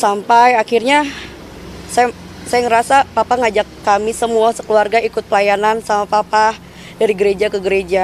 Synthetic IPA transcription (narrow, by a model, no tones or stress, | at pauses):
sampajakirɲa | saja | sajaŋəɾasapapaŋad͡ʒakːamisəmuasə̥kəluarɡaikʊt̪̚pəlajanansamapapa | daɾiɡəɾed͡ʒakəɡəɾed͡ʒa